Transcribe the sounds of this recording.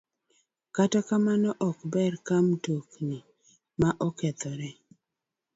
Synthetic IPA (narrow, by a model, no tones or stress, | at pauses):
katɔkamanɔʔɔkbɛrkamtokni | maʔɔkɛt̪ɔɾɛ